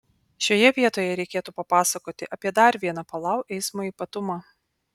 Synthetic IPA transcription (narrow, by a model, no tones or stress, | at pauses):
ʃʲoːjɛʋʲiɛt̪oːjɛɾʲɛɪkʲeːt̪uːpɐpɑːsɐkoːt̪ʲɪʔɐpʲiɛd̪ɐɾʋʲiɛnɑpɐlˠɑˑʊʔɛɪsmoiːpɐt̪ʊmɑː